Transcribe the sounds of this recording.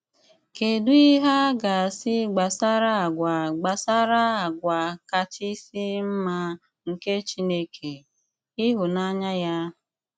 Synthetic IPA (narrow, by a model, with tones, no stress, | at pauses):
ke˨du˦i˦ɦa˦ɡa˨sɪ˦ɡ͡ba˨sa˦ɾa˦a˨ɡʷa˨ɡ͡ba˨sa˦ɾa˦a˨ɡʷa˨ka˨t͡ʃi˦si˦m̩˦ma˦ | ŋ̩˨ke˦t͡ʃi˦ne˦kʰe˨ | i˦ɦʊ˨na˦ɲa˦ja˦